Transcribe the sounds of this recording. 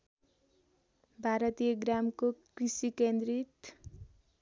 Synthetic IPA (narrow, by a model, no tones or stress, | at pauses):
bʱaɾʌt̪ijʌɡramkokrisikend̪rit̪